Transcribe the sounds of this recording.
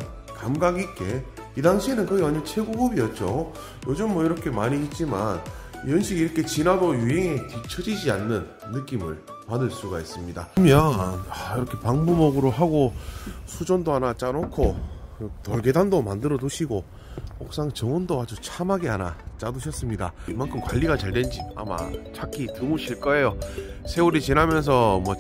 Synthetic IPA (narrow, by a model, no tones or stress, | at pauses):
kamɡaɡik͈e̞ | idaŋɕʰienɯnkʌiaɲot͡ɕʰe̞ɡuɡubiʌt̚t͡ɕ͈o | jod͡ʑɯmːwʌiɾʌkʰe̞maɲiɦit̚t͡ɕ͈iman | jʌnɕʰiɡiɾʌkʰe̞t͡ɕinadojuɦe̞ŋetit͡ɕʰʌd͡ʑid͡ʑianːɯnːɯk͈imɯ̰ɭ | padɯɭs͈uɡais͈ɯmɲida̰mjʌnnaiɾʌkʰe̞paŋbumʌɡɯɾoɦaɡosʰud͡ʑʌndoanat͡ɕ͈aɾokʰokɯtʌɭɡe̞dandomandɯɾʌduɕʰiɡo | hok̚s͈aŋt͡ɕʌŋwʌndoad͡ʑut͡ɕʰamaɡeana̰t͡ɕ͈aduɕʰʌs͈ɯmɲidamankʰɯmkwaʎːiɡat͡ɕaɭdwe̞nd͡ʑia̰ma̰t͡ɕʰakʰitɯmuɕʰiɭk͈ʌe̞josʰe̞uɾit͡ɕinamjʌns̬ʰʌmwʌ